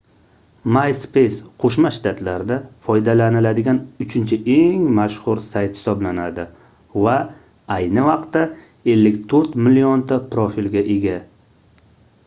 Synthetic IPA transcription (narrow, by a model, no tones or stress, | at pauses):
majspejsqʰoʃmaʃt̪ʰat̪ʰlaɾd̪afɒjd̪alanɪlad̪ɪɡʲanʊt͡ʃʰɪnt͡ʃʰɪʔe̞ŋmaʃhʊɾsajt̪hɪ̥sɒblanad̪ɪ | va | ajnɪvɑqt̪ːa | e̞lːɪkʲt̪ʰɵɾt̪mɪliont̪ʰapɾofilɡʲaʔeɡʲa